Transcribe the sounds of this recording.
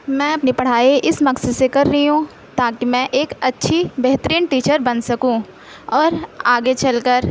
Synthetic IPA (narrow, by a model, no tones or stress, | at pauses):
mɛ̃ːɐpnipɐɽ̤aːiʔɪsmɐksəsekɐɾːɐɦiɦũː | t̪aːkimɛ̃ʔeːkɐtːʃʰibɛɦt̪əɾiːnʈiːt͡ʃəɾbɐnsɐkũː | ɔːɾaːɡet͡ʃɐlkəɾ